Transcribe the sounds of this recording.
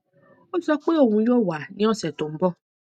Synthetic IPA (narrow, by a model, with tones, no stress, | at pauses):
o˦sɔ˦k͡pe˦o˦˨wũ˧˦jo˦˨wa˨nĩ˦ɔ˦˨sɛ˨to˨m̩˦bɔ˦˨